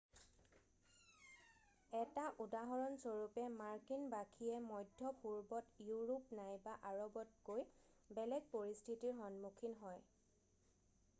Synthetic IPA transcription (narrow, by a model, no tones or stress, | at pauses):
ɛtaʔudaɦɔɹɔnsoɹupɛmaɹkinbakʰiɛmɔjdʱɔpuɹbɔtjuɹupnajbaʔaɹɔbɔt̚koj | bɛlɛɡ̚poɹistʰitiɹɦɔnmukʰinɦɔj